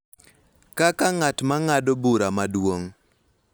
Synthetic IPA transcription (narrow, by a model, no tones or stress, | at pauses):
kakaŋatmaŋadobuɾamadwoŋ